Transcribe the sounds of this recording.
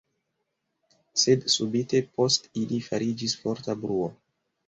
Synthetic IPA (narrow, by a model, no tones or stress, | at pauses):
se̞dsubite̞po̞stilifaɾid͡ʒisfo̞ɾtabɾuo